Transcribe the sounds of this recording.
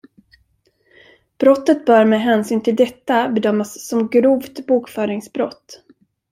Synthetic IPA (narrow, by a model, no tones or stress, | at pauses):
b̥ɾɔt̪ːət̪̚bœːɾmɛɦɛːnsyːnt̪ʰɪld̪ɛt̪ːabɛd̪œmːasːɔmɡɾuːvt̪buːkfœːɾɪŋsbɾɔt̪ː